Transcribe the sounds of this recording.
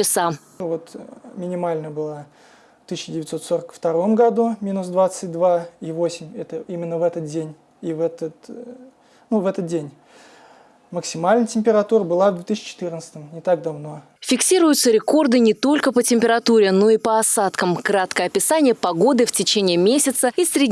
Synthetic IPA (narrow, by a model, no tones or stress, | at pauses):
ɪsa | vo̞t̪mʲɪnʲɪmalʲnəbɨlˠa | ft̪ɨsʲːɪdʲɪvʲɪt̪so̞t̪so̞ɾəkft̪ɐɾo̞mɡɐd̪umʲinʊsd̪vat̪sɨt̚ʲd̪vaivosʲɪmʲɛt̪əimʲɪnːəvɛt̪ət̪̚dʲenʲ | ivɛt̪ət̪ | nuvɛt̪ət̪̚dʲenʲ | məksʲɪmalʲnətʲɪmʲpʲɪɾɐt̪uɾəbɨlˠavd̪vʲet̪ɨɕt͡ɕɪ̥t̪ɨrnət̪sə̥t̪əmnʲɪt̪ak̚d̪ɐvno̞ | fʲɪksʲiɾʊjʊt̪səɾʲɪko̞rd̪ɨnʲɪt̪o̞lʲkəpətʲɪmʲpʲɪɾɐt̪uɾʲɪno̞ipəɐsat̪kəmkɾat̪kəɐpʲɪsanʲɪjəpɐɡo̞d̪ɨftʲɪt͡ɕenʲɪːmʲesʲɪt̪səisʲɾʲɪdʲ